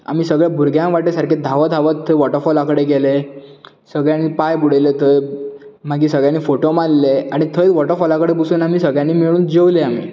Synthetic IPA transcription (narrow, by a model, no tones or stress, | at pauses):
a̰miːsəɡɭjabʱuɾɡjãŋʋaʈesaɾkʰed̪ʱaʋəd̪ʱaʋət̪ʰːəʋɔʈəɾfɔlakəɽeɡele | səɡɭjãnipajbuɽelet̪ʰə | m̤aɡiːsəɡɭjãnːiːfoʈomalleaɽ̃it̪ʰəjʋɔʈəɾfɔlakəɽepusuːnamiːsəɡɭjãnːiːmiɭuːnd͡ʑewleam̤ḭː